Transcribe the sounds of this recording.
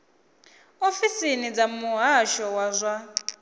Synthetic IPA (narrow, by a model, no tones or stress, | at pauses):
ofisinid͡zamuɦaʃɔwazʷa